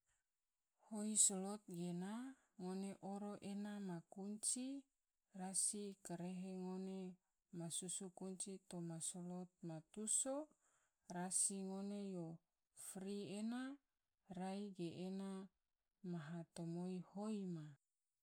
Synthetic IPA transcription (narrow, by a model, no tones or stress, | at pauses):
hoisolot̪̚ɡena | ŋoneʔoɾoʔenamakuɲt͡ʃi | rasikaɾeɦeŋone | masusukuɲt͡ʃit̪omasolot̪̚mat̪uso | rasiŋonejo | fɾiena | raiɡeʔːna | maɦat̪omoihoima